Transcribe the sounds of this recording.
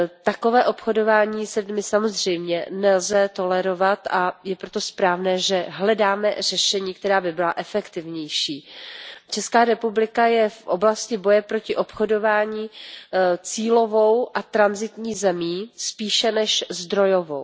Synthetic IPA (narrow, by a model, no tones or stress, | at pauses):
t̪ako̞vɛːʔo̞pxo̞do̞vaːɲiːslɪdmɪsamo̞zr̝ɛjmɲɛnɛlzɛt̪o̞lɛɾo̞vat̪ajɛpɾot̪o̞spɾaːvnɛːʒɛɦlɛdaːmɛ̰r̝ɛʃɛɲiːk̚t̪ɛɾaːbɪbɪlaʔɛfɛkt̪ɪvɲɛjʃiːt͡ʃɛskaːɾɛpublɪkajɛfʔoblascɪbo̞jɛpɾo̞cɪʔo̞pxo̞do̞vaːɲiː | t͡siːlo̞vo̞wʔat̪ɾanzɪt̪ɲiːzɛmiːspiːʃɛnɛʃzd̪ɾo̞jovo̞̰w